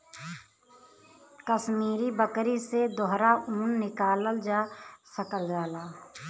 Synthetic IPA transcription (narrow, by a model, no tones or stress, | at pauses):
kəʃmiːɾibəkɾised̪ɔɦɾauːnːɪkaːləld͡ʒaːsəkəld͡ʒaːlaː